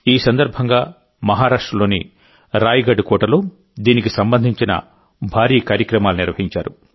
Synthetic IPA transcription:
iːsɐnd̪ɐɾbʱɐŋɡaː | mɐɦaːɾaːʂʈɾɐlo̞ːnḭ | ɾaːjiɡɐɖukɔːʈɐlo̞ː | d̪iːnikisɐmbɐnd̪ʱiɲt͡ʃinɐ̰ | bʱaːɾiːkaːɾjɐkɾɐmaːluniɾʋɐɦiɲt͡ʃaːɾu

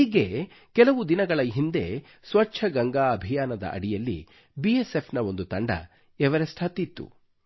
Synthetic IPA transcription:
iːɡe | kɛlɐʋud̪inɐɡɐɭɐɦind̪e̞̰ | sʋɐt͡ʃʰɐɡɐŋɡaːɐbʱijaːnɐd̪ɐ̰ʔɐ̰ɽijɐlːḭ | biesepʰnɐo̞nd̪ut̪ɐɳɖɐ̰ | ɛʋɐɾesʈʰaːt̪it̪ːṵ

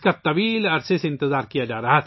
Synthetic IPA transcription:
kat̪ɐʋiːlɐɾseseɪ̃nt̪ɪzaːɾkijad͡ʒaːɾɐɦat̪ʰ

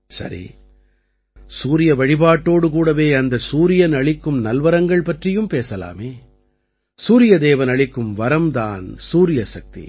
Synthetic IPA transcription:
sɐ̰ɾḭ | suːɾɪjɐʋɐɻɪbaːʈːoːɽɯkuːɽɐʋeːɐnd̪ɐsuːɾɪjɐnɐɭɪkːɯmnɐlʋɐɾɐŋɡɐɭpɐʈrɪjɯmpeːsɐla̰ːmeː | suːɾɪjɐd̪eːʋɐnɐɭɪkːɯmʋɐɾɐmd̪a̰ːnsuːɾɪjɐsɐk̚t̪ḭ

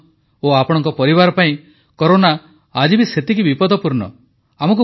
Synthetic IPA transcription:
oapɔɽ̃ɔŋkɔpɔɾiβaɾɔpaĩ | kɔɾonaː | d͡ʒibiset̪ikibipɔd̪ɔpuɾnɔ̰ | amɔŋk̬u

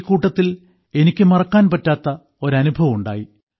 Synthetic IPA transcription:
kːuːʈːɐt̪ːil | e̞nikʲːɨmɐrɐkːaːnpɐtːaːt̪ːɐ | o̞ɾɐnubʱɐʋɐmuɳɖa̰ːji

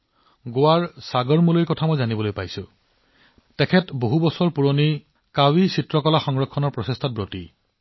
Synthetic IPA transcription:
ɡowaɹsaɡɔɹmuliɹkɔtʰamɔjzanibɔlojpajsʊ̃ | tɛkʰɛtboɦubɔsɔɹpuɹoni | kawisitɹɔkɔlaxɔŋɹɔkʰːɔnɔɹpɹɔsestʰat̚bɹoti

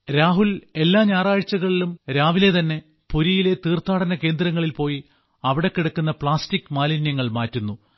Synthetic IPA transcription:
ɾaːɦule̞lːaːɲaːraːɻt͡ɕːɐɣɐɭilumɾaːʋile̞t̪ɐnːe̞ | puɾijile̞t̪iːrt̪aːɽɐnɐke̞ːnd̪ɾɐŋːɐɭilpo̞ːji | ɐʋiɽekːiɽukːunːɐpɭaːstikːmaːlinjɐŋːɐɭmaːtːunːu

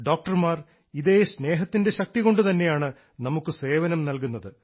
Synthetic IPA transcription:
ɖoːk̚ʈɐrmaːr | iðeːsne̞ːɦɐt̪ːinde̞ɕɐk̚t̪iɣo̞ɳɖɨt̪ɐnːe̞jaːɳɨ | nɐmukːɨse̞ːʋɐnɐmnɐlkunːɐðɨ

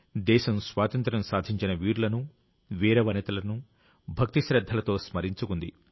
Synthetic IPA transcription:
d̪ɛːʃɐmsʋaːt̪ɐnt̪ɾɐmsaːd̪ʱiɲt͡ʃinɐʋiːɾlɐnu | ʋiːɾɐʋɐnɐt̪ɐlɐnu | bʱɐk̚t̪iʃɾɐd̪ʱːɐlɐt̪o̞ːsmɐɾiɲt͡ʃukund̪i

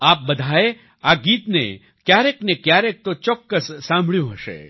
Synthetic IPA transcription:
aːp̚bɐd̪ʱaːe | aːɡiːt̪nḛ | kjaːɾeknekjaːɾek̚t̪ot͡ʃɔkːəssãːmbʱɭjũɦɐʃḛ

